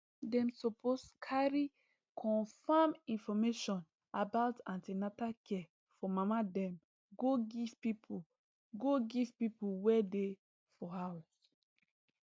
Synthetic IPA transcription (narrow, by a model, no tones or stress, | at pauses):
dɛ̃msopʰoskʰaɹi | kʰɔ̃nfamĩnfɔmeʃɔ̃n | abaʊtãntenatakʰɛ | fɔmamadɛ̃m | ɡoɡiv̥pipʰu | ɡoɡivpipuwɛde | fɔhaws